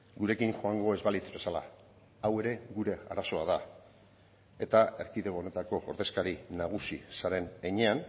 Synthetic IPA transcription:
ɡuɾe̞kiŋʝo̞aŋɡo̞e̞zβalit͡sbe̞sala̰ | awe̞ɾe̞ɣuɾe̞a̰ɾaso̞aða | e̞t̪ae̞ɾkiðe̞oone̞t̪ako̞oɾðe̞skaɾinaɣ̞usisaɾe̞neɲean

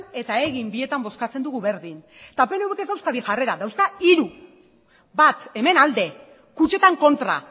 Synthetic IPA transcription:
ne̞t̪ae̞ɣimbie̞t̪ambo̞skat͡se̞nd̪uɣuβe̞ɾðin | t̪ape̞neweke̞zðawskaβiʝare̞ɾaðawskaiɾu | bat̪e̞me̞nald̪e̞ | kut͡ʃe̞t̪aŋko̞nt̪ɾa̰

